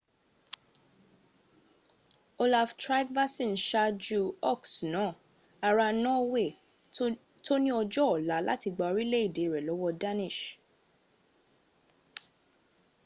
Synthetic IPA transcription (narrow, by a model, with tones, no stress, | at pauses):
o˧la˨ftɾa˦ɡva˦sĩ˦˨n̩˨ʃa˧d͡ʒu˦ɔ˦˨ksnaɔ̃˨˦˨ | a˧ɾa˧nɔ̃˦we˦˨ | to˦nĩ˦ɔ˧d͡ʒɔ˦ɔ˨la˨˦la̰˦ti˧ɡ͡ba˧o˧ɾi˦le˦i˦˨de˨˦i˨ɾɛ˨lɔ˨˦wɔ˦da˦nĩ˦˨ʃ